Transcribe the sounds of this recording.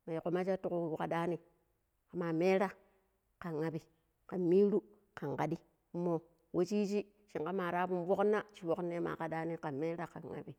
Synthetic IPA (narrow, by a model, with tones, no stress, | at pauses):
ma˨i˨ko˨ma˦t͡ʃa˦tu˨ku˦˨ka˨da˦ni˨ | ka˨ma˨me˦ɾa˦ | ka˨ŋa˨bi˨ | ka˨mi˦ɾu˦ | ka˨ŋka˨di˦ | mo˨ | wʔo˦t͡ʃi˦t͡ʃi˦ | t͡ʃi˨ŋka˦ma˨ɾa˦pu˦nvo˦knːa˦t͡ʃi˨˦wo˦kne˦ma̰˨ka˨da˦ni˦ka˨me˦ɾa˦ka˨ŋa̰˨bi˨